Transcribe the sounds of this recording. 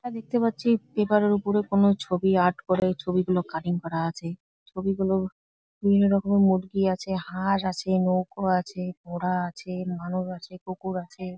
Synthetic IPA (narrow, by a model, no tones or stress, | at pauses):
aad̪ek̚t̪epatːɕʰipepaɾeɾupoɾekonot͡ɕʰobiaɾʈkoɾet͡ɕʰobiɡulokaʈiŋkɔɾaat͡ɕʰe | t͡ɕʰobiɡulo | bʱibʱinːoɾɔkomemuɖɡiat͡ɕʰehaɾat͡ɕʰenowkoat͡ɕʰebʱɔɽaat͡ɕʰemanuʃat͡ɕʰekokuɾat͡ɕʰe